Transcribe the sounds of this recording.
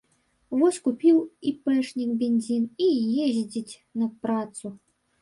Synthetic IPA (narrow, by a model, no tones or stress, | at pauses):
vɔsʲkupʲiwipɛʂnʲikbʲenʲzʲinijeʑʲd͡zʲit͡sʲ | nɐpɾat̪su